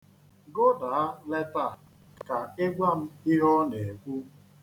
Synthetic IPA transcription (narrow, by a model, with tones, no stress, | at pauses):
ɡo˦da˨a˦le˦ta˦˨ | ka˨e˦ɡʷa˦m̩˦i˦ɦɔ˦ne˨kʷu˦